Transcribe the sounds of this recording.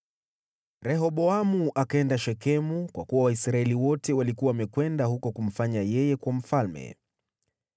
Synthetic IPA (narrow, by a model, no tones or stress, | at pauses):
ɾɛɦɔɓɔamuʔakaɛndaʃɛkɛmukwakuwawaisɾaɛliwɔtɛwalikuwawamɛkwɛndahukɔkum̩faɲajɛjɛkwam̩falmɛ̰